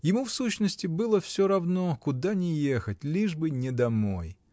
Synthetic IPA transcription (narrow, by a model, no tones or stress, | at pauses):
jɪmufsuɕnəsʲtʲɪbɨlˠəfsʲoɾɐvnokʊd̪anʲɪjexətʲlʲiʐbɨnʲɪd̪ɐmo̞̰j